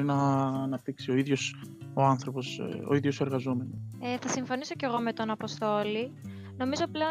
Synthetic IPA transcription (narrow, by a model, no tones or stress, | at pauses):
ɾinɐːnɐp̚t̪iksio̞iðʝo̞soɐnθɾo̞po̞so̰iðʝose̞ɾɣɐzome̞noeθɐsiɱfo̞niso̞ce̞ɣo̞me̞t̪o̞nɐpo̞st̪o̞li | no̞mizo̞ple̞o